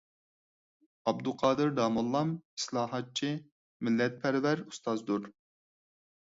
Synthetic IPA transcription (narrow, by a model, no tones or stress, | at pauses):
ɑbd̪uqʰɑːd̪ɨɾd̪ɑːmulˠːɑmi̥slˠɑːɦɑt̪̚t͡ʃʰi | milːɛt̪̚pʰɛɾvɛɾust̪ɑzd̪uɾ